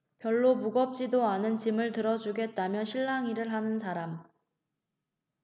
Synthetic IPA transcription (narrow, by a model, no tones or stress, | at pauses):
pjʌɭːomuɡʌp̚t͡ɕ͈idoanɯnt͡ɕimɯɭtɯɾʌd͡ʑuɡe̞t̚t͈amjʌɕʰiɭːaŋiɾɯɭɦanɯnsʰaɾam